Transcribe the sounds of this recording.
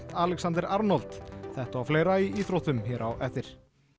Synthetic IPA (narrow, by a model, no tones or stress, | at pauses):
t̪aːlɛksant̪ɪɾaɾnɔlt̪θɛht̪aawfleːjɾaiiːθɾowt̪ʏmçɛːɾʔawʔɛfθɪɾ̥